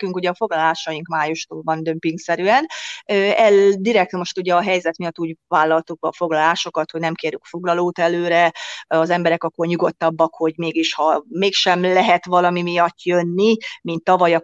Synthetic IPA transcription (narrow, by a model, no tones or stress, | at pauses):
kyŋkuɟɛɒfo̞ɡlɒlaːʃɒjiŋkmaːjuʃt̪oːlvɒnd̪ømpiŋksɛɾyɛnøːɛld̪iɾɛk̚t̪mo̞ʃt̪uɟɛɒɦɛjzɛt̪mijɒt̪ːuːɟvaːlːɒlt̪uk̚bɒfo̞ɡlɒlaːʃo̞kɒt̪ho̞ɟnɛmkeːɾyŋkfo̞ɡlɒloːt̪ɛløːɾɛɒzɛmbɛɾɛkɒkːo̞rɲuɡo̞t̪ːɒbːɒkho̞ɟmeːɡiʃhɒmeːkʃɛmlɛɦɛt̪ʋɒlɒmimijɒt̪ːjønːimint̪ːɒvɒjɒ